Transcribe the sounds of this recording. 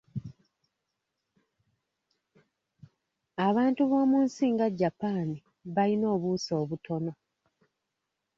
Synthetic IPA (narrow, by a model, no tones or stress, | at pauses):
aβaːntuβo̞ːmuːnsiːŋɡaɟːapaːni | βalino̞ːβuso̞ːβutʰo̞no̞